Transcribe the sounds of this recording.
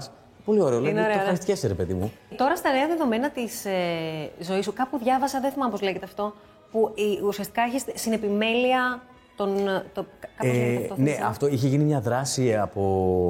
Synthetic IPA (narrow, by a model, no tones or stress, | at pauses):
s | po̞lio̞ɾeoleineoɾeɐɐɾist̪i̥ceseɾepe̞ðimut̪o̞ɾɐst̪ɐne̞ɐðe̞ðo̞me̞nɐt̪isezo̞isukɐpuðʝɐvɐsɐðeθimɐpo̞zle̞ʝet̪eɐft̪o̞ | puusiɐst̪i̥kɐeçist̪sine̞pime̞liɐ | t̪o̞nt̪okkɐsonneʔɐft̪o̞içeʝinimɲɐðɾɐsiɐpo̞